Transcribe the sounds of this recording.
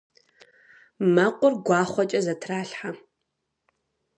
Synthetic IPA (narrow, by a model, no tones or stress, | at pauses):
mɐqʷʼʊrɡʷɑːχʷɔt͡ʃʼɐzɐtʰraːɬħa